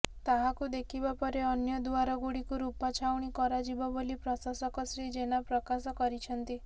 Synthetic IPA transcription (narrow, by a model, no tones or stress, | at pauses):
t̪aɦakud̪ekʰibapɔɾeɔnjɔd̪uaɾɔɡuɽikuɾupɔt͡ʃʰawɽ̃ikɔɾad͡ʒibɔbolipɾɔsasɔkɔsɾid͡ʒenapɾɔkasɔkɔɾit͡ʃʰɔnt̪i